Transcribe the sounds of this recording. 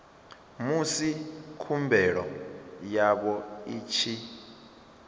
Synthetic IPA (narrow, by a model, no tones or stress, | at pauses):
musikʰumbʱɛɺɔjaɓɔiːt͡ʃʰi